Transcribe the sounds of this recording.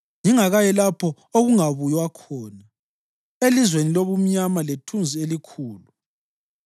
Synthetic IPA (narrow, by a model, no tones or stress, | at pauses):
ŋiŋaɣajɛlapʰɔ | oɣuŋaβujwakʰɔːna | elizweniloβum̩ɲamaletʰund͡zʱielikʰuːlu